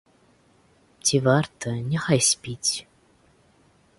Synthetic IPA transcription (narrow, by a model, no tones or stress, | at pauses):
t͡sʲʰivart̪ʰənʲɛxajsʲpʲit͡sʲ